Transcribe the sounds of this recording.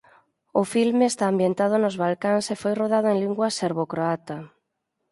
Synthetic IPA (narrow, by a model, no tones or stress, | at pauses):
ʊfilmeest̪aːmbjent̪að̞ʊnʊzβalkaŋsefojroð̞aðʊeŋliŋɡwaseɾβokɾoat̪a